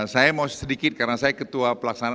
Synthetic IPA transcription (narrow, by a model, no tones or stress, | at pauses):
sajamausədikɪt̪̚karənasajakət̪uapəlaksana